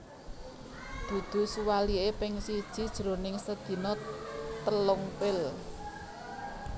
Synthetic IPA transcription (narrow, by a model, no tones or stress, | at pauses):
d̪̥ṳd̪̥ṳsuwaliepɪŋsid̥ʒ̥i̤d̥ʒ̥ɾo̤nɪŋsəd̪̥i̤nɔt̪əlɔŋpɪl